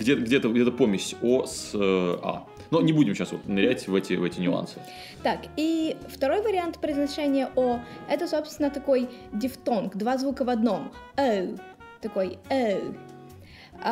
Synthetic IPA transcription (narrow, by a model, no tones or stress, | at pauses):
ɡdʲet̪ɡdʲet̪əɡdʲet̪əpomʲɪɕʲosəa̰ | nunʲɪbudʲɪmɕasvot̪nʲɪɾʲætʲvɛtʲɪvɛtʲɪnʲʊa̰nsɨ | t̪akift̪ɐɾo̞jvəɾʲɪant̪pɾʲɪznɐʂɛnʲɪjəʔoɛt̪əsopst̪ʲɪnːət̪ɐko̞jdʲɪft̪onkd̪vazvukəvɐd̪no̞m | ɛ | t̪ɐko̞jɛ